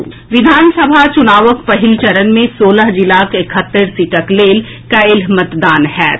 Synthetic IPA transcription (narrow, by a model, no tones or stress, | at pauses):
ʋɪd̪ʱaːnsəbʱat͡ʃʊnaːʋəkpɐɦɪlt͡ʃɐɾənmẽsoːləɦd͡ʒɪlaːkekʰət̪ːəɾsiːʈəkleːl | kaɪlɦmət̪d̪aːnɦɛː